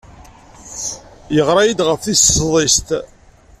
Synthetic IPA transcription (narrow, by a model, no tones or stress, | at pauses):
jəʁɾˤɑjid̪ʁəfːissðˤist̪